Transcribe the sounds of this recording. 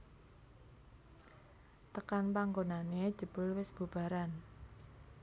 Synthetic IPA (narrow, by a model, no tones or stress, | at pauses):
t̪əkanpaŋɡonane̥ʒ̥ə̤b̥ʊ̤lwɪsb̥ṳb̥a̤ɾan